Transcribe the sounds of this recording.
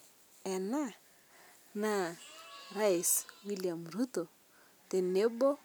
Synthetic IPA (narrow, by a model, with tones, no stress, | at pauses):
ɛna˦ | na | ra˦jswiliamru˦tɔ˨ | tɪ˨ne˦bɔ˦